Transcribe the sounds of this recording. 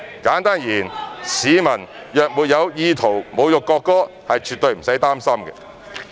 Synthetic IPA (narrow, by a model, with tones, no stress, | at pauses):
kaː˨˥nt̪aː˥njiː˨˩nsiː˨˧mɐ˨˩n | jœː˨k̚muː˨t̚jɐ˨˧wjiː˧t̪ʰo˨˩wmo˨˧wjʊ˨kːɔː˧kːɔː˥ | hɐ˨jt͡ʃʰyː˨t̪̚ɵ˨ɥm̩˨˩sɐ˨˥jt̪aː˥msɐ˥mɡɛ̰˧